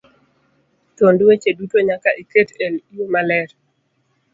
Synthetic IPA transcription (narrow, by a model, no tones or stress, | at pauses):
tondwet͡ʃedutoɲakaʔeketelijomalɛɾ